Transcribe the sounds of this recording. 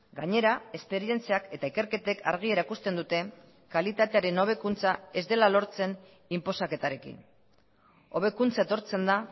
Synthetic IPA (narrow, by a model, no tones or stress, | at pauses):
ɡaɲe̞ɾae̞spe̞ɾie̞nt͡siake̞t̪aike̞ɾke̞t̪e̞kʰa̰ɾɣ̞ie̞ɾaikust̪e̞nd̪ut̪e̞ | kalit̪at̪e̞aɾe̞no̞β̞e̞kunt͡sae̞zd̪e̞lalo̞ɾt͡se̞n | impo̞sake̞t̪aɾe̞kḭn | o̞̰β̞e̞kunt͡sae̞t̪o̞ɾt͡se̞nd̪a